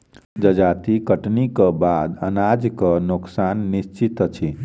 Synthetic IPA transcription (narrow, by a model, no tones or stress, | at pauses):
d͡ʒəd͡ʒat̪ikəʈnikəbad̪ə̰nad͡ʒkənuksanːist͡ʃit̪t͡ʃʰi